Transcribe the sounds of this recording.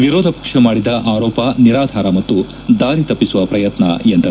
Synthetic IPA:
ʋiɾɔːd̪ʱɐpɐ̥kʂɐmaːɽid̪ɐʔaːɾɔːpɐniɾaːd̪ʱaːɾɐmɐt̪ːu | d̪aːɾit̪ɐpːisuʋɐpɾɐjɐt̪nɐ̰end̪ɐ

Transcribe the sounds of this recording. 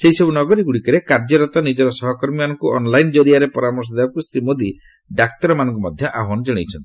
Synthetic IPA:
seisɔbunɔɡɔɾiɡuɽikɔɾekaɾd͡ʒɔɾɔt̪ɔnid͡ʒɔɾɔsɔɦɔkɔɾmimanɔŋkuʔɔnlajnd͡ʒɔɾiaɾepɔɾamɔɾs̬ɔd̪ebakusɾimod̪i | ɖak̚t̪ɔɾɔmanɔŋkɔmɔd̪ʱjɔʔaɦanɔd͡ʒɔɽ̃ejt͡ʃʰɔnt̪i̥

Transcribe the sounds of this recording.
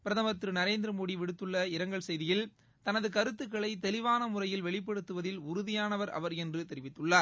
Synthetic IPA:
pɪɾɐðɐmɐt̪ːɾɯnɐɾeːnd̪ɪɾɐmoːɽiʋɪɽɯt̪ːɯɭːɐɪɾɐŋɡɐɭsɛjðɪjɪl | t̪ɐnɐðɯkɐɾɯt̪ːɯkːɐɭɐɪt̪ɛlɪʋaːnɐmʊrɐjɪlʋɛɭɪpːɐɽɯt̪ːɯʋɐðɪlʊɾʊðɪjaːnɐʋɐɾɐ̰ʋɐɾɛndrɯt̪ɛɾɪʋɪt̪ːɯɭːaːɾ

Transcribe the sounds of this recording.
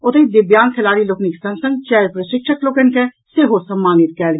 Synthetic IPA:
ʊt̪eid̪ɪbjaːnk̪ʰɛlaːɾilokniksɐ̃nsə̃ŋɡ̚t͡ʃɛːɾpɾəʃɪkʃəklokenkɛ | seɦosɐmːaːnɪt̪̚kɛːl

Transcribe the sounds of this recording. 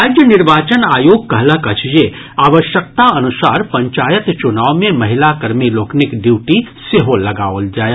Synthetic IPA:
aːd͡ʒjənɪɾʋaːt͡ʃənaːjoːɡ̚kɐɦlakɐt͡ʃʰd͡ʒe | aːʋəʃjək̚t̪aɐnʊsaːɾpɐ̃ɲt͡ʃaːjət̪t͡ʃʊnaːʋmẽmɐɦɪlakəɾmiloːknɪkɖiʋʈiseɦolɐɡaːold͡ʒaːj

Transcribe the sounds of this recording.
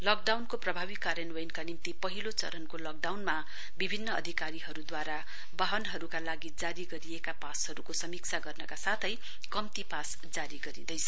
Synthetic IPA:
lʌk̚ɖawnkoprʌbʱaβikːaɾjʌnwʌjnkanimt̪ipʌɦilot͡sʌ̰ɾʌnkolʌk̚ɖawnma | bibʱinːʌ̰ːd̪ʱikaɾiɦʌɾud̪waɾa | baɦʌnɦʌɾukalaɡid͡zaɾiɡʌɾiekapasʌɾukosʌmikt͡sʰaɡʌrnʌkasat̪ʰʌj | kʌmt̪ipas | d͡zaɾiɡʌɾḭd̪ʌjt͡sʰʌ

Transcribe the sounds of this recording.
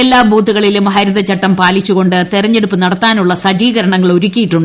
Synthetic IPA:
elːaːbʱuːt̪ːuɣɐɭilumɦɐɾuðɐt͡ɕːɐʈːɐmpaːlit͡ɕːuɣo̞ɳɖɨt̪irɐɲːe̞ɽupːɨnɐɽɐt̪ːaːnuɭːɐsɐd͡ʑiːɣɐɾɐɳɐŋːɐɭoɾukʲːijiʈːuɳɖɨ

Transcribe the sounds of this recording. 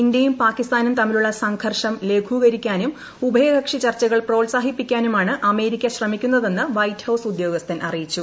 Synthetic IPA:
ind̪jɐjumpaːkːist̪aːnumt̪ɐmːiluɭːɐsɐŋɡʰʱɐrʂɐmle̞ːkʰuːɣɐɾikʲːaːnum | ubʱɐjɐɡɐkʂit͡ɕɐrt͡ɕːɐɣɐɭpro̞ːlsaːɦipːikʲːaːnumaːɳɨʔɐme̞ːɾikʲːɐɕrɐmikʲːunːɐðe̞nːɨʋɐjthɐwsud̪jo̞ːɡɐst̪ʰɐnʔɐrijit͡ɕːu

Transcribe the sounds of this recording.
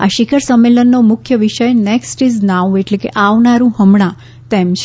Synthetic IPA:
a̰ʃikʰəɾsəmːelənːomʊkʰjəʋiʃəjneksʈiznaʋeʈlekḛʔaʋnaɾũɦəmɳ̃ã | t̪ɛmt͡ʃʰ

